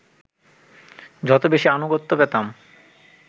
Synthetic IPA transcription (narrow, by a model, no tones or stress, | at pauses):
d͡ʑɔt̪obeʃianuɡot̪ːopɛt̪am